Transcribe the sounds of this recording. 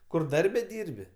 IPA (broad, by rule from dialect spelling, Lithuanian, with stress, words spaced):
ˈkʊr ˈdɐrʲbʲɛ ˈdʲiːrʲbʲɪ